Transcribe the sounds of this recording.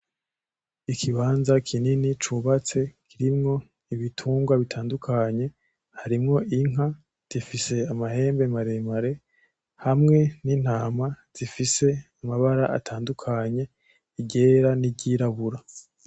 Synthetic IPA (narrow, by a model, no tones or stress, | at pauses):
ikʰiβaːnzakʰininit͡ʃuːβat͡se̞kʰiɾimŋo̞ | iβitʰuːŋɡwaβitʰaːndukʰaɲe̞ | haɾimŋo̞ʔiŋa | z̥ifise̞amahe̞ːmbe̞maɾe̞maɾe̞ | hamŋe̞niːn̥haːmaz̥ifise̞amaβaɾaʔa̰tʰaːndukʰaɲe̞ | iɟeɾanibɟiɾaβuɾa